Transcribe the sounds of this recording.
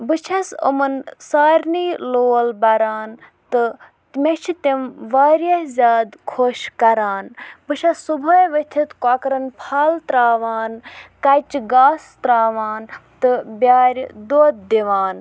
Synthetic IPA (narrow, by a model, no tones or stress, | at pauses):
bɨt͡ʃʰɐsṵmɐnsaːɾʲniːloːlbɐɾaːn | t̪ɨ | t̪met͡ʃʰit̪imʋaːɾʲɐhzʲaːd̪kʰoːʃkɐɾaːnbɨt͡ʃʰɐsːubʱɐjʋət̪ʲʰit̪kakɾɐnpʰaːlt̪ɾaːʋaːnkɐt͡ʃɡaːst̪ɾaːʋaːnt̪ɨbʲaːɾʲd̪oːd̪̚d̪iʋaːn